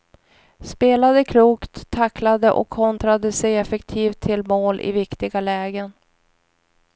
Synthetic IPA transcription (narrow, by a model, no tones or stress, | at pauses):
speːlad̪əkʰluːkt̪ʰːaklad̪əʔɔ̰kʰːɔnt̪ɾad̪əsɛjɛfɛkt̪ʰiːft̪ʰːɪlmoːlʔɪ̰vɪkt̪ɪɡalɛːɡən